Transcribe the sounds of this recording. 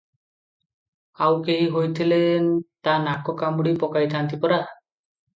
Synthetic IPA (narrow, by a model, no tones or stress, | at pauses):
awkeɦiɦojt̪ʰilent̪anakɔkambuɽipɔkajt̪ʰant̪ipɔɾa